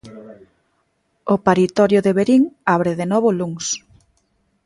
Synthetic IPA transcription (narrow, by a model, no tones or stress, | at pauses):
ʊpaɾit̪ɔɾjʊðeβeɾiŋaβɾɪðenɔβʊluŋs